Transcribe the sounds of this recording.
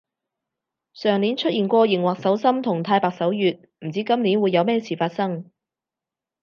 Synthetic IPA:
sœː˨˩ŋni˨˥nt͡ʃʰɵ˥t̚ʔiː˨nkʷɔː˧jɪ˨˩ŋwaː˨˩k̚sɐ˨˥wsɐ˥mt̪ʰʊ˨˩ŋt̪ʰaː˧jpaː˨k̚sɐ˨˥wjyː˨t̚m̩˨˩t͡siː˨˥kɐ˥mniː˨˥nwuː˨˧jɐ˨˧wmɛː˥t͡sʰiː˨˩faː˧t̚sɐ˥ŋ

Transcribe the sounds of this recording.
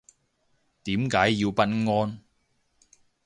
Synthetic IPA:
t̪iː˨˥mkaː˨˥jːiː˧wpɐ˥t̚ŋɔː˧˥n

